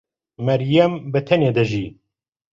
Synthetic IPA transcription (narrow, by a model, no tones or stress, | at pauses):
mɐɾjɐmbɨt̪ʰɛneːd̪ɐʒiː